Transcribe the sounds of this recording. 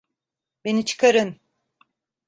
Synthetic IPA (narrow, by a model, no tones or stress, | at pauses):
be̞nit͡ʃʰɯ̥kʰaɾɯn